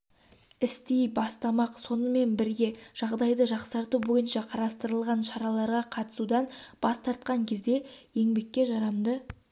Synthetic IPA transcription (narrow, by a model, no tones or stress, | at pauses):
ɪst̪ejbɑst̪ɑmɑqso̞nəme̞nbɪɾɡʲe̞ʒ̥ɑʁd̪ɑjd̪əʒɑqsɑɾt̪ubo̞jənʃɑqʰɑɾɑst̪əɾəlˠʁɑnʃɑɾɑlˠɑɾʁɑqʰɑt̪ə̥sud̪ɑnb̥ɑst̪ʰɑɾt̪̚qɑŋkʲʰe̞zd̪e̞je̞ŋbe̞kʲːe̞ʒɑɾɑmd̪ə